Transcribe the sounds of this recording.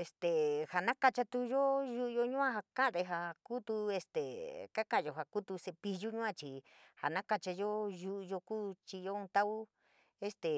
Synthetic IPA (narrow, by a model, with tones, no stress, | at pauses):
e˧st̪e˨ha˨nã˦ka˧t͡ʃa˧t̪u˧jo˦ju˧ʔjo˧ɲũ˦ã˧ha˧kã˦˧ðe˧ɦa˧ku˦t̪u˧e˧st̪e˨ka˦kã˦ʔo˧ɦa˨ku˦t̪u˧se˧pi˧ʒu˦ɲũ˦ã˧t͡ʃi˨ | ha˨nã˦ka˧t͡ʃa˧jo˦ju˧˦ʔjo˧kuː˦t͡ʃi˧jo˧˦ũ˧t̪a˦u˦ | e˧st̪e˨